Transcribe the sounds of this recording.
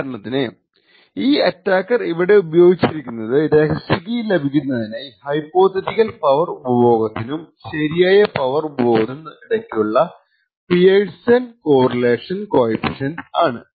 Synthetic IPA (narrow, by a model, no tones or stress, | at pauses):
kaɾɐɳɐt̪ːinɨ | iːɐtːaːkːɐriʋiɽe̞ubɐjo̞ːɡit͡ɕːiɾikʲːunːɐðɨɾekɐsiɣɐjlːebʱikʲːunːɐðinehɐjpːo̞ːt̪ʰːɐtikɐlpɐʋɐrubɐbo̞ːɡɐt̪ːinumɕɐɾijaːjɐpɐʋɐrubo̞ːðenːɨiɽɐkːijuɭːɐ | pijeːɻsɐnko̞ːrɐle̞ːʂɐnkoːjipiʂɐnaːɳɨ̰